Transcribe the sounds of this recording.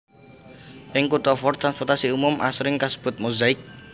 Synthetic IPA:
ʔɪŋkut̪ɔfɔrt̪ɾanspɔrt̪asiumʊmʔa̰sɾɪŋkasə̥b̥ʊ̤t̪̚muzaɪk̚

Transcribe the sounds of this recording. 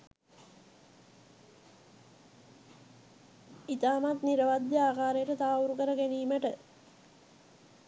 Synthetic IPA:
it̪aːmat̪niɾəʋad̪jəaːkaːɾejəʈət̪aːuɾukəɾəɡeniːməʈə

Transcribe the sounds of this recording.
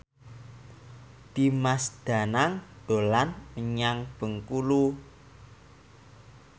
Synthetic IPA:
d̪̥imasd̪̥a̤naŋɖ̪̥o̤lanməɲaŋb̥ə̤ŋkulu

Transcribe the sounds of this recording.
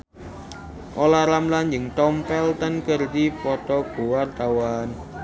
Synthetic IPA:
ʔolaɾamland͡ʒəŋt̪ɔmpɛlt̪ənkərd̪ipɔt̪ɔb̥o̤wart̪awan

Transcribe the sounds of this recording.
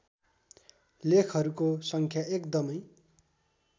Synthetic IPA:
lekʰɦʌɾukosʌŋkʰjaʔekd̪ʌmʌj

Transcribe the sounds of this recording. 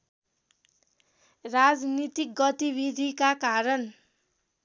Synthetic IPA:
rad͡znit̪ik̚ɡʌt̪ibid̪ʱikakaɾʌn

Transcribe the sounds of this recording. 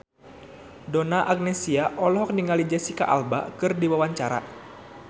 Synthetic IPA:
donaʔak̚nɛsiaʔɔlɔɦɔk̚niŋalid͡ʒɛsika̰ʔa̰lba̰kɨrdiwawaɲt͡ʃaɾa̰

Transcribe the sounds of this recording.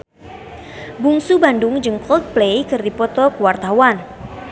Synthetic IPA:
buŋsubandʊŋd͡ʒəŋkɔlt̪̚plejkɨrdipɔt̪ɔkuwart̪awan

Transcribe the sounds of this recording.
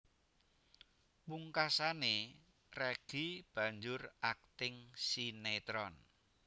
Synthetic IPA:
puŋkasane | rɛɡ̥ib̥ä̤ɲd͡ʒʊrak̚t̪ɪŋsinet̪ɾɔn

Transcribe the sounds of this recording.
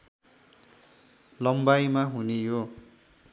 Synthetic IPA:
lʌmbajmaɦunejo

